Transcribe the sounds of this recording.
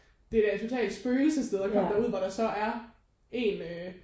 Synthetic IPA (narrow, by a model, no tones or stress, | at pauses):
d̥e̝ɾ̥æɐe̥t͡sʰo̝t͡sʰɛ̰ːld̥sb̥øːl̩səsd̥eðˠɒkʰɒm̰d̥æɐuð̰ˠʋɒɾ̥ɑ̈sɒ̽ʔæɐ | e̝nø